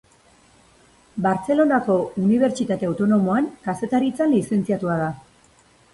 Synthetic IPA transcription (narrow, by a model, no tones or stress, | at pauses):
baɾt͡se̞lo̞nako̞uniβ̞e̞ɾt͡ʃit̪at̪e̞awt̪o̞no̞mo̞aŋkase̞t̪aɾit͡sanlise̞nt͡siat̪uað̞a